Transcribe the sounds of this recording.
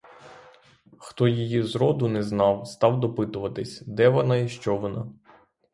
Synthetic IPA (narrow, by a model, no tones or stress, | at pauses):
xt̪ɔjijizɾɔd̪ʊnɛznɑwst̪ɑwd̪ɔpɪt̪ʊʋɐt̪ɪsʲd̪ɛʋɔnɑiʃt͡ʃɔʋɔnɑ